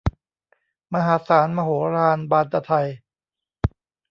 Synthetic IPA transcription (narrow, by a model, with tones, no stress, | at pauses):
ma˧ɦaː˩˦saː˩˦nma˧hoː˩˦ɾaː˧nbaː˧nt̪a˧t̪ʰa˧j